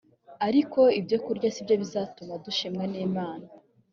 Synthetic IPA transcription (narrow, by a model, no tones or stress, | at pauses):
aɾiko̞ibjo̞kuɾɟasibjo̞βizaːtumaduʃimŋaneːmaːna